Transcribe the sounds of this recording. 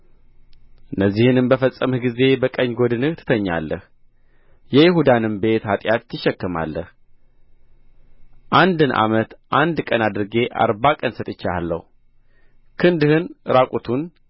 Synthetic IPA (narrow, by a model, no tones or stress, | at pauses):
ɨnːəzːihɨnɨmbəfəsʼːəmɨhɡize̞bəkʼəɲːɡo̞d̪ɨnɨt̪ʰɨ̥t̪ʰəɲːa̰lːəh | jɛjɪhud̪anɨmbe̞t̪hat̪ʼjat̪t̪ʰːɨʃːɛkːɨma̰lːəh | ʔand̪ɨnʔa̰mət̪ʔand̪kʼənad̪ɨɾɨɡe̞ʔa̰ɾbakʼənsət̪ʼɨt͡ʃːaalːə̰hu | kʰɨnd̪ɨhɨnɨɾakʷʼut̪ʰun